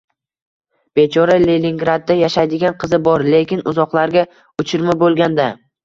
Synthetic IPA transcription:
b̥et͡ʃʰɒɾalelʲiŋɡɾad̪̚ːajaʃajd̪ɪɡʲanqʰɨzɪbɒɾle̞kʲɪnʊzɒqlˠaɾɡʲa | ʊt͡ʃʰɪɾmabolˠɡʲand̪a

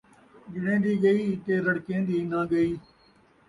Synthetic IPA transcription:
d͡ʒɪɽẽːd̪iːɡəiːt̪eːɾəɽkẽːd̪iːnãːɡəiː

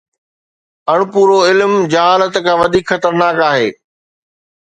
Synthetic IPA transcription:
ɐɽ̃ʊpuːɾoɪlmd͡ʑɐɦaːlət̪kʰãːʋɐd̪ʱiːkxɐt̪əɾnaːkaːɦḛː

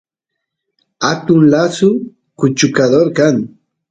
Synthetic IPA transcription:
at̪ʊnlasʊ | kʊt͡ʃʊkad̪oɾkaŋ

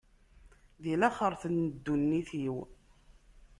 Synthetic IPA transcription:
ðilæχəɾˤθənːəd̪ːunːiθiw

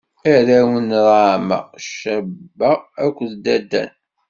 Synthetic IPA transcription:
æɾæwənɾˤamæ̰ʃæbːæækʷːðd̪æd̪ːæ̰n

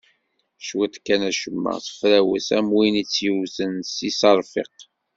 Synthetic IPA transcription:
ʃwæt̪kːænæʃəmːæ̰sə̥fɾæwæ̰sæmwinit͡sːjəwθənsisɑɾˤfḭq

